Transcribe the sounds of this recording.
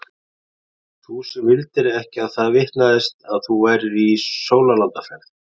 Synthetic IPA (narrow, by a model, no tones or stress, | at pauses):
θusɛmvɪlt̪ɪɾɛhcɪaðθaðvɪht̪naðɪst̪aðθuɛjɾðisoːwlalant̪afɛɾð